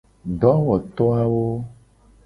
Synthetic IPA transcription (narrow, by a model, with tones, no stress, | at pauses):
ɖɔ˨˦wɔ˨t̪ɔ˦a˦wo˦